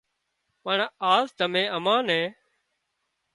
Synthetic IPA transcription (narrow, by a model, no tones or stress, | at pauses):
pəɳaːzd̪əmẽːəmãːnẽː